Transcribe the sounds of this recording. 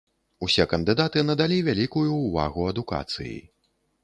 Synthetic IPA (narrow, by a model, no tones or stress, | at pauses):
usʲɛkɐnd̪ɨd̪at̪ɨnɐd̪alʲivʲalʲikujuːva̰ɣuɐd̪uka̰t̪sɨ̰jḭ